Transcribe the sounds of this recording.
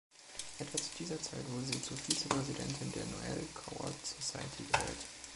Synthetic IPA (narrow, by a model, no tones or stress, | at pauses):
ʔɛtv̥at͡su̥diːzɐt͡saɪtv̥ʊɐdəziːt͡suɐfiːt͡səpʁ̥ɛzidɛ̰ntʰɪndeːɐno̰ɛ̰lkʰaʊɐ̰z̥osaɪətʰḭːɡ̥əhɛ̰ːt